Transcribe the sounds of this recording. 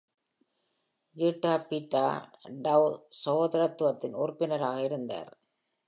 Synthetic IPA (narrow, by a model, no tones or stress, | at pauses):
ɡiʈːaːpiʈːaːɖɐwsɐʋoːðɐɾɐt̪ːɯʋɐt̪ːɪnɔɾpːɪnɐɾaːɣɐɪɾɯnd̪a̰ːɾ